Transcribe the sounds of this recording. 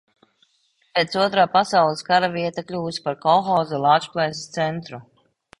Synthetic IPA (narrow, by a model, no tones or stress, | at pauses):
pet̪suɔt̪ɾaːpasawlˠɛskaɾaviɛt̪aklʲuːspaɾkɔxɔːzɛlˠaːt͡ʃplˠɛjsst̪sɛnt̪ɾu